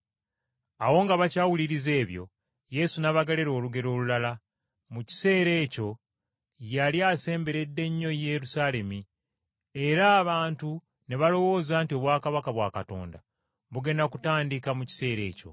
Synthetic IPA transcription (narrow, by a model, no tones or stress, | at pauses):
awo̞ŋɡaβacaːwuliɾize̞ːβjo̞̰ | je̞sunaβaɡale̞ɾo̞ːluɡe̞ɾo̞ːlulala | muci̥se̞ːɾe̞ːco̞ | jaljaːse̞ːmbe̞ɾe̞dːe̞ɲːo̞je̞ɾusaːle̞mi | e̞ɾaːβaːntu | ne̞βalo̞wo̞ːzaːntio̞βwaːkaβakaβwa̰ːkato̞̰ːnda | βuɡe̞ndakutaːndikamuci̥se̞ːɾe̞̰ːco̞̰